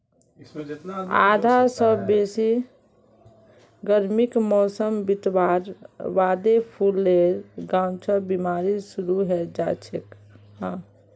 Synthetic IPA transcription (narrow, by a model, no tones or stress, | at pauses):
a̰d̪ʱasəbbesi | ɡəɾmikmɔsəmbit̪waɾʋad̪epʰulːeɾɡãʊt͡ʃʰəbimaɾisuɾuɦɛd͡ʒat͡ʃʰek | ɦã